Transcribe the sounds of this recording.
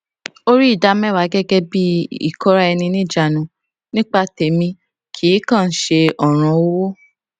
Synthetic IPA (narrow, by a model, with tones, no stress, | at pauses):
o˦ɾi˦i˦˨da˧˦mɛ̃˦˨wa˨˦ɡɛ˦ɡɛ˦bi˦ḭ˦˨kɔ˦ɾa˦ɛ˧nĩ˧nĩ˦˨d͡ʒa˨nũ˨ | nĩ˦k͡pa˦˧te˨mĩ˧ | kʰi˨˦kã˦˨n̩˦ʃe˧ɔ˨ɾ̃ɔ̃˧˨o˦wo˦